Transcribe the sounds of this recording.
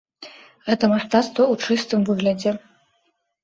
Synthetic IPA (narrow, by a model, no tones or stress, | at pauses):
ɣɛt̪ɐmaʂt̪at̪st̪vɐut͡ʂɨst̪ɨmvɨɣlʲɐd͡zʲɛ